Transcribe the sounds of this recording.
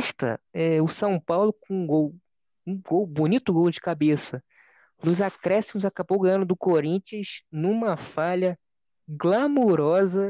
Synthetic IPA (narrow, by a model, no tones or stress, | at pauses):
ʃt̪ɐ̰ɛʊsɐ̃w̃pawlʊkõũɡow | ũɡowbunit̪ʊɡowd͡ʒɪkabesɐ | nʊzakɾɛsimʊzakabowɡɐ̃jɐ̃nd̪ʊd̪ʊkoɾĩt͡ʃiɐznũmɐfaʎɐ | ɡlamoɾɔzɐ